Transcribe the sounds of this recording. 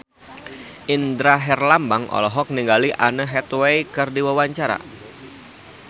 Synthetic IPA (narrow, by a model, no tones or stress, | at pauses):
ʔindɾaɦɛrlambaŋʔɔ̰lɔɦɔk̚niŋɡaliʔanəɦɛt̪wejkɨrdiwawaɲt͡ʃaɾa̰